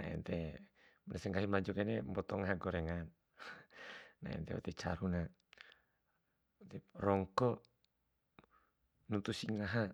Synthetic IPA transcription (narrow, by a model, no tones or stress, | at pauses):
na̰ɛ̰nt̪ɛmnɛsɛŋɡaɦimad͡ʒukɛnɛmbɔt̪ɔŋaɦaɡɔɾɛŋan | na̰ɛ̰nt̪ɛ̰ɔ̰t̪ɛt͡ʃaɾuna | t̪ɛrɔŋkɔ | nunt̪usiŋaɦa